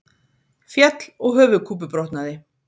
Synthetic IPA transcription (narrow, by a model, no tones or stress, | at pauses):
fjɛt̪l̥ɔɣɦœːvʏkʰuːp̬ʏpɾɔwht̪naðɪ